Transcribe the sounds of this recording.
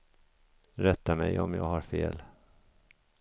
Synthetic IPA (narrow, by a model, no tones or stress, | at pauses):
ɾɛt̪ːamɛjɔmjɑːɡɦaɾfeːl